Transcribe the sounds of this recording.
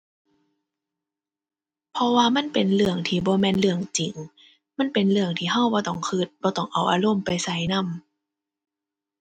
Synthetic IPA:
pʰɔ˧waː˧ma˧˥˨npe˨nlɯ˧˩əŋt̪ʰiː˧bɔː˧˦mɛː˧˥˨nlɯ˧˩əŋt͡ɕi˨˩ŋ | ma˧˥˨npe˨nlɯ˧˩əŋt̪ʰiː˧ɦa˧˥˨wbɔː˧˦t̪ɔ˧˩ŋkʰɯː˧˩t̪̚bɔː˧˦t̪ɔ˧˩ŋʔa˨˩wʔa̰ː˧lo˧˥˨mpa˨jsa˨˦jna˧˥˨m

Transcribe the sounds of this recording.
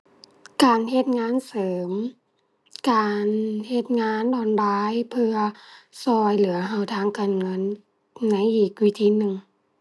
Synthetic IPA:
kaː˨˩nɦe˧t̪̚ŋaː˧˥nsɤː˨˦m | kaː˨˩nhe˧t̪̚ŋaː˧˥˨ndɔː˧˩nbaː˧˥jpʰɯ˧ɐsɔː˧jlɯ˩˦ɐɦa˧˩wt̪ʰaː˧˥˩ŋkaː˨nŋɤ˧˥˨nː | a˧˥jʔiː˨˩k̚wi˧˥t̪ʰiː˧˥˨nɯ˨˩ŋ

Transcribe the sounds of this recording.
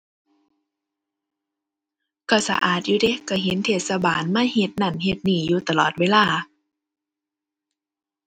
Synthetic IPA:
ka˧˩sa̰˧ʔaː˨˩t̪̚juː˧de˧˦ka˧˩ɦe˨˦nt̪ʰeː˧˩t̪̚sa˧baː˨nmaː˧˥˨he˧t̪̚na˧˩nɦe˧˩t̪̚niː˧˩juː˧t̪a˨lɔː˨˩t̪̚weː˧˥˨laː˧˩˨

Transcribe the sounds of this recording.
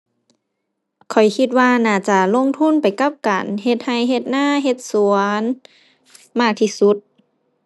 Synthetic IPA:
kʰɔ˨˩jkʰi˧t̪̚waː˧naː˧˩t͡ɕa˧lo˧˥˨ŋt̪ʰu˧˥˨npa˨jka˧˥p̚kaː˨˩nhe˧t̪̚ha˧˩jɦe˧t̪̚naː˧˥˩ɦe˧t̪̚su˨˦ən | maː˧˥˩k̚t̪ʰiː˧˩su˧˦t̪̚

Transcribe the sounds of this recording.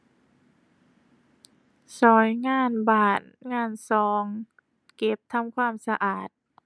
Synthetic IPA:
sɔː˨˩˦jŋaː˧˥˩nbaː˨˩n̚ŋaː˧˥˩nsɔː˨˦ŋ | ke˧˦p̚t̪ʰa˧˥˨mkʰwaː˧˥˩msa˧ʔaː˨˩t̪̚

